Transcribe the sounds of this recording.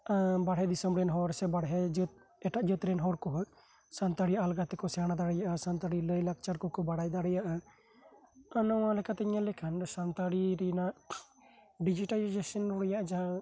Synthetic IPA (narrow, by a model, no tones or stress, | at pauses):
baɽɦɛd̪isəmbɾɛnɦɔɾsɛbaɽɦɛd͡ʒət̪̚ | ɛʈaʔd͡ʒət̪ɾɛnɦɔɾkɔɦ | sant̪aɽijaʔalɡat̪ɛkɔsɛanad̪aɽɛjaʔasant̪aɽiləjlak̚t͡ʃaɾkɔkɔbaɽajd̪aɽɛjaʔa | anɔwalɛkat̪ɛɲalɛkʰanɾɔsant̪aɽiɾɛnaʔ | ɖid͡ʒiʈalid͡ʒesɔnɾuɾɛjaʔad͡ʒa